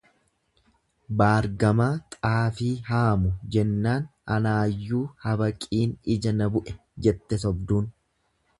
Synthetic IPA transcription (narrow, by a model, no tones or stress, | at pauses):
baːɾɡɐmaːt̪ʼaːfiːɦaːmʊd͡ʒɛnːaːnɐnaːjːuːhɐbɐkʼiːnɪd͡ʒɐnɐbʊʔɛ | d͡ʒɛt̪ːɛsɔbd̪uːn